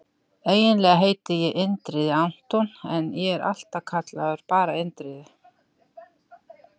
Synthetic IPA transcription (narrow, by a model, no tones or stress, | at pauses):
eːjɪnlɛːɣaɦeːjt̪ɪjɛʔɪnt̪ɾɪðɪan̥t̪ɔnɛnjɛɛɾa̰l̥t̪akʰat̪laðʏɾ̥paːɾaɪnt̪ɾɪðɪ